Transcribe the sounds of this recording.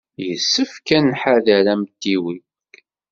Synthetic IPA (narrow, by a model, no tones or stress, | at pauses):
jəsːəfkænħaðæɾæmt̪ːiwi